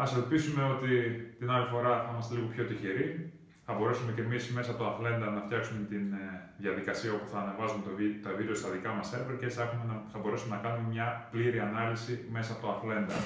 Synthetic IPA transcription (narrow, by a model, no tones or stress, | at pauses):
ɐselpisume̞o̞t̪it̪inɐlifo̞ɾɐθimɐst̪e̞liɣo̞pço̞t̪içeɾi | θɐbo̞ɾesume̞ce̞misme̞sɐpot̪oɐfle̞nd̪ɐnɐft̪çɐksumet̪in | ðjɐðikɐsiɐo̞puθɐːne̞vɐzumet̪ovit̪ɐvid̪eost̪ɐðikɐmɐseɾveɾcesɐexumenɐθɐbo̞ɾesume̞nɐkɐnume̞mɲɐpliɾiɐnɐlisime̞sɐːpo̞t̪oɐfle̞nd̪ɐ̰